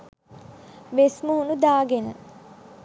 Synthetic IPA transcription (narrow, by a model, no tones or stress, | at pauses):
ʋesmuɦunud̪aːɡenə